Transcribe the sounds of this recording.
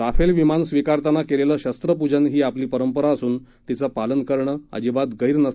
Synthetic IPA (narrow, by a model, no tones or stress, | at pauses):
ɾafelʋimansʋikaɾt̪anːakelelaɕəst̪ɾəpud͡ʑənɦiːapliːpəɾəmpəɾaəsuːn | t̪it͡səpalənkəɾɳəə̰d͡ʑibad̪ɡəɦiːɾnəs